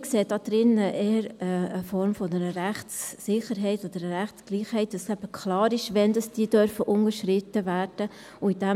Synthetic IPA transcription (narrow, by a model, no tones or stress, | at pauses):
kseːdɑd̪̥ɾɪnəʔeːəɾəːfɔɾmfɔnɛɾəɾæχtsːɪχəɾɦɛɪtɔd̥̪əɾəɾæχtskliːχhɛɪt̚dɑsæb̥əkʰχlɑːɾɪʃʋɛnd̥ɑsd̥iːd̥œɾfəʔʊŋəɾʃɾɪt̪ːəvæːɾd̥ə | ʊid̥æ